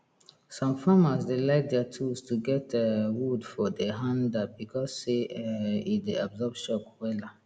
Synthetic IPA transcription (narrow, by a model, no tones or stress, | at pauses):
sɔ̃mfamasdelaɪk̚dɛatʰustʰuɡɛtʰɛwudfɔdeɦãndat̚bikʰɔsːeɛideabzɔbʃɔpwɛla